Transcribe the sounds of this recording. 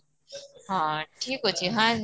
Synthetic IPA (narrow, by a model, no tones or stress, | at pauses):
ɦãʈʰiːkɦot͡ɕʰiɦã